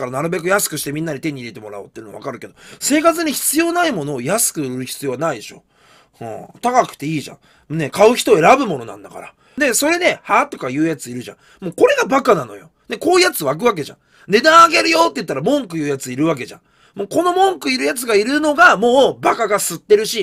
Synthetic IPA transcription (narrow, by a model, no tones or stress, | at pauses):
kaɾanaɾɯ̟be̞kɯ̟jasɨ̥kɯ̟ɕi̥t̪e̞mʲĩnːaɲ̟it̪e̞ɲ̟ːid̪e̞t̪e̞mo̞ɾa̰o̰ːt̪ːeiɯnoaβa̰kaɾɯ̟ke̞d̪ose̞ːkat͡sɨɲ̟içi̥t͡sɨjo̞ːnaimo̞no̞ːjasɨ̥kɯ̟ɾɯ̟çi̥t͡sɨjo̞ːanaid̪e̞ɕo̞̰ | ɯ̰̃t̪akakɯ̥t̪ːe̞iːʑã̰ | ne̞kaɯ̟çi̥t̪o̞ːe̞ɾabɯ̟mo̞no̞nã̰nd̪aka̰ɾa̰ | d̪e̞so̞ɾe̞d̪e̞hat̪o̞kajɯ̟ːjat͡sɨiɾɯ̟ʑã̰ | mo̞ːko̞ɾe̞ɡabakanano̞̰jo̞̰ | ne̞ko̞ːijat͡sɨβak̬ɯ̟βak̬e̞ʑã̰ | d̪e̞d̪aːɡe̞ɾɯ̟jo̞t̪ːe̞jɯ̟t̪ːaɾamõ̞ŋkɯ̟jɯ̟ːjat͡sɨiɾɯ̟βak̬e̞ʑã̰ | moːko̞no̞mõ̞ŋkɯ̟iɾɯ̟jat͡sɨɡaiɾɯ̟no̞ɡamo̞ːbakaɡasɨt̪ːe̞ɾɯ̟ɕi